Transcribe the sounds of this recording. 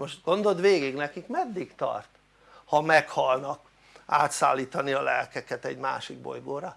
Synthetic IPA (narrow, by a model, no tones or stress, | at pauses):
moʃt̪ɡ̥o̞nd̪o̞d̪ʋeːɡiɡnɛkikmɛd̪ːikt̪ɒ̰rt̪ | hɒmɛkhɒlnɒk | a̰ːt̪sa̰ːlːiːt̪ɒniɒlɛ̰lkɛkɛt̪ɛ̰ɟma̰ːʃiɡ̚bo̞̰jɡoːɾɒ